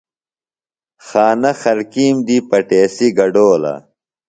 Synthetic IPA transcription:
xaːnɐxɐɾkiːmd̪ipɐʈeːsiɡɐɖoːlɐ̰

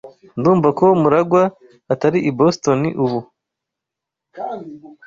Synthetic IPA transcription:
nduːɱvako̞muɾaɡwaː | taɾiʔibo̞sto̞niʔuβu

